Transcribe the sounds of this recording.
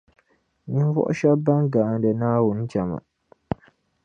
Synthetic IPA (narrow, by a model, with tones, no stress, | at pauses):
ni˦n˦vɔ̰˦ʔʊ˦ʃa˦ba˦ŋɡaː˨n˦dɨ˨naː˦wʊ˨n̩˦t͡ʃa˨ma̰˨